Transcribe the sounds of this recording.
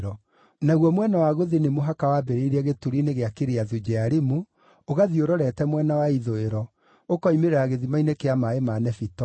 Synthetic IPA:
ɾɔ | naɣwɔmwɛnawaɣoðenemoɦakawabɛɾeiɾɛɣetuɾineɣeakeɾeaðud͡ʑɛaɾemu | oɣaðioɾɔɾɛtɛmwɛnawaiðoeɾɔ | okɔimeɾeɾaɣeðimainekeamaemanɛfitɔ

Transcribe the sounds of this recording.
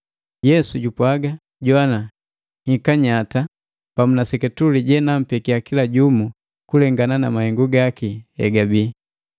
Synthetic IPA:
jɛsuɟupwaɡa | ɟɔana | hikaɲata | pamunasɛkɛtuliɟɛnam̩pɛkiakilaɟumu | kulɛŋɡananamahɛŋɡuɡakihɛ̰ɡabiː

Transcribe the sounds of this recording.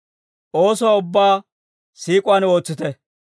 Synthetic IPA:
ʔo̞ːsɔwaʊbːaː | siːkʼʊano̞ːt͡sːɪt̪ɛ

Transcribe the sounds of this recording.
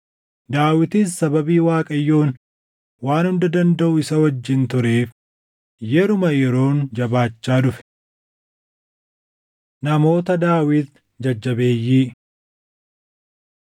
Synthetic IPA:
d̪aːwɪt̪issɐbɐbiːwaːkʼɐjːo̞ːn | waːnhʊnd̪ɐd̪ɐnd̪ɐʔʊɪsɐwɐd͡ʒːɪnt̪ʊɾe̞ːf | jɛɾʊmɐjɛɾo̞ːnd͡ʒɐbaːt͡ʃːaːd̪ʊfɛ̥ | nɐmo̞ːt̪ɐd̪aːwɪt̪ | d͡ʒɐd͡ʒːɐbe̞ːjːiː

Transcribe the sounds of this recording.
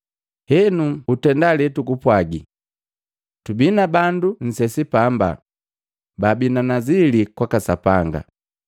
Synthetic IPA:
hɛnuutɛndalɛtukupwaɡi | tubinabandun̩sɛsipamba̰ | babinanazilikwakasapaŋɡa̰

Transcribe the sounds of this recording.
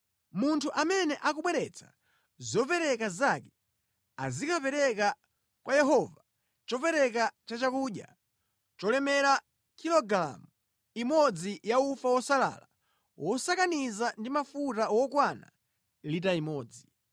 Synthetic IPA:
muntʰuʔamɛnɛʔakuɓwɛɾɛt͡sʰḁ | zɔpɛɾɛkazakɛ | a̰zikʰapɛɾɛka | kwajɛɦɔva | t͡ʃɔpɛɾɛk̬at͡ʃat͡ʃakuːɗja̰ | t͡ʃɔlɛmɛɾa | kʰilɔɡɾa̰mu | imɔd͡zijaufawɔsala̰ːla | wʔɔsakanizandimafutawɔkwana̰ | litaimɔːd͡zi

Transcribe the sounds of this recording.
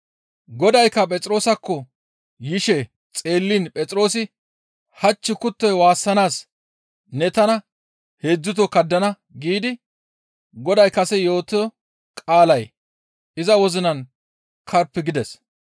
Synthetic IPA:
ɡɔd̪ɐjkːɐpʼɛt͡sʼɾo̞ːsɐkːɔ | jɪʃɛ | t͡sʼe̞ːlːiːnpʼɛt͡sʼɪɾo̞ːs̬ɪ | hɐt͡ʃːɪkʊt̪ːɔjwaːsːɐnaːs | nɛt̪ɐnɐ | he̞ːd͡zːʊt̪ɔkɐd̪ːɐnɐ | ɡiːd̪ɪ | ɡɔd̪ɐjkɐsɛjo̞ːt̪ɔɔ | kʼaːlɐj | ɪzɐwɔzɪnɐn | kʰɐɾpːɪɡɪd̪ɛs

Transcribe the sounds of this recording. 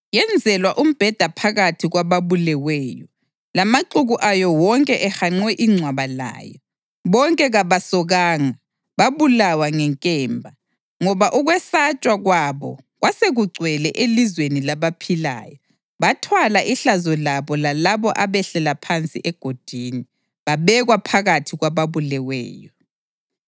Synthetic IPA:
jɛnd͡zʱɛlwaʔum̩b̥ʱɛd̥ʱapʰaɣatʰiɣwaβaβulɛwɛːjɔ | lamaǃuɣuʔajɔwɔŋkʼɛʔɛxaŋ͡ǀwɛʔiŋ͡ǀʱwaβala̰ːjɔ | βɔŋkʼɛɣaβasɔɣaːŋa | βaβulawaŋɛŋkʼɛːmbʱa | ŋɔβaʔuɣwɛsat͡ʃʼwaɣwaβɔ̰ | ɣwaseɣuɡ͡ǀʱwɛlɛʔelizwenilaβapʰila̰ːjɔ | βatʰwalaʔiɬazɔlaβɔlalaβɔʔaβɛɬɛlapʰant͡sʼḭʔɛɡ̥ʱod̥ʱini | βaβɛɣwapʰaɣatʰiɣwaβaβulɛwɛ̰ːjɔ

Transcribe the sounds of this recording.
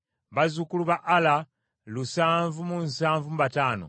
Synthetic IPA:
βazukuluβaʔːla | lusaːɱvumunsaːɱvumuβataːno̰

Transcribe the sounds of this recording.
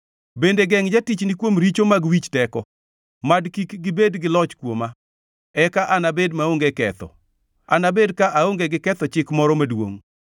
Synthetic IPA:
bendeɡɛŋd͡ʒatit͡ʃnikwomɾit͡ʃomaɡwit͡ʃtɛkɔ | madkikɡɪbedɡɪlɔt͡ʃkwoma | ɛkaʔanabedmaoŋɡekɛt̪ɔ̰ | a̰nabedkaʔaoŋɡeɡɪkɛt̪ɔt͡ʃɪkmɔɾɔmadwo̰ŋ

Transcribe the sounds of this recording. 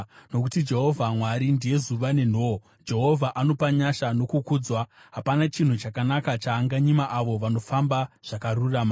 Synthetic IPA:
no̞kutid͡ʒe̞ɦo̞vʱamwaɾindije̞zuʋane̞n̤o | d͡ʒe̞ɦo̞vʱaʔano̞paɲaʃano̞kukuːd͡zwa | ɦapanat͡ʃin̤ut͡ʃakanakat͡ʃaːŋɡaɲimaʔaʋo̞ʋano̞fambaʐ̥akarurama

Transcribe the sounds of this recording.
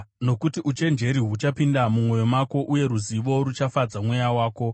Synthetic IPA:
no̞kutiʔut͡ʃe̞nd͡ʒe̞ɾiɦut͡ʃapindamumŋo̞jo̞mako̞ʔuje̞ɾuziʋo̞rut͡ʃafad͡zamwejawaːko̞

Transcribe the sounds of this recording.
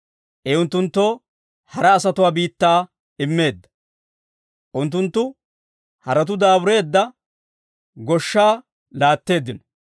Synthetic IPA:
ʔɛʊnt̪ːʊnt̪ːoː | hɐɾɐːsɐt̪ʊwaːbiːt̪ːaː | ɪmːe̞ːd̪ːɐ̥ | ʔʊnt̪ːʊnt̪ːʊ | hɐɾɐt̪̬ʊd̪aːbʊɾe̞ːd̪ːɐ | ɡɔʃːaː | laːt̪ːe̞ːd̪ːɪnɔ̥

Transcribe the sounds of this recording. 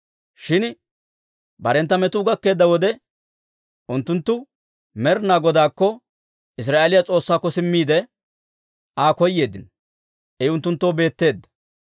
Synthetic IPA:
ʃɪn | bɐɾɛnt̪ːɐmɛt̪ʊːɡɐkːe̞ːd̪ːɐwɔd̪ɛ | ʔʊnt̪ːʊnt̪ːʊ | mɛɾnaːɡɔd̪aːkːɔ | ʔɪs̬ɾaːʔeːlɪjat͡sʼo̞ːsːaːkːɔsɪmːiːd̪ɛ | ʔaːkɔjːe̞ːd̪ːɪn | ʔɛʊnt̪ːʊnt̪ːoːbe̞ːt̪ːe̞ːd̪ːɐ̥

